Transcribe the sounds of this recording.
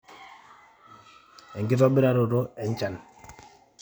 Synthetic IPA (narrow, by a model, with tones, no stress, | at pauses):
ɛ˨ŋɡɪ˦tɔ˦bɪ˦ɾa˦ɾo˨ɾo˦ɛ˨ɲ˦t͡ʃa˨n